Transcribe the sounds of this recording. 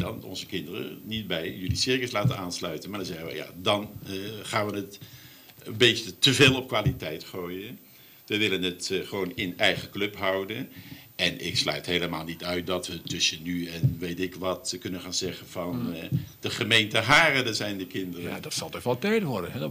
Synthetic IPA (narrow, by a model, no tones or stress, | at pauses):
dɑnɔ̰nzəkɪndərə̰nit̚bɛjjɵlisɪɹkəslaːtənaːnslœɥtənmaːɹdɑnzɛχəʋə̰ja̰ːdɑnχaːnʋənət | əbetətəveːlˠɔp̚kʋaːlitɛjtχoːjən | ʋəʋɪlənətχəʋownɪnɛjχəklɵpɦɑwdənʔɛnɪ̰kslœ̰ɥtɦejləmaːlˠnitœɥt̚dɑtʋətɵsənyɛnʋejtɪkʋɑtkɵnənχaːnzɛχənv̥ɑnd̥əχəmejntəɦaːrədəzɛjndəkɪndərədɑtsɑlˠtɔtʋɔlˠtɛjtʋɔɹdənɛ